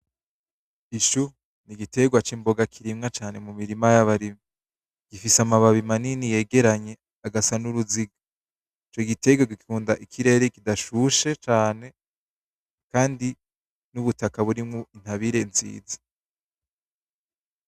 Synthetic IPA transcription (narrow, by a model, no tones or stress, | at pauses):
iʃu | niɡite̞ɡwat͡ʃimbo̞ɡakʰiɾimŋat͡ʃaːne̞mumiɾimajaβaɾimi | ɡ̥ifisamaβaβimaninije̞ɡe̞ɾaɲe̞ | aɡasanuɾuziɡa | it͡ʃoɡite̞ɡwaɡikikuːndaʔikʰiɾe̞ːɾekidaʃuʃe̞t͡ʃaːne̞ | kaːndi | nuβutakaβuɾimŋoin̥haβiɾe̞nzḭːzḁ